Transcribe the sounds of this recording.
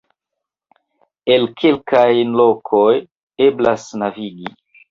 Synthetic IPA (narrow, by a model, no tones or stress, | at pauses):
e̞lkʰelkajlo̞kʰoj | e̞blasnaviɡi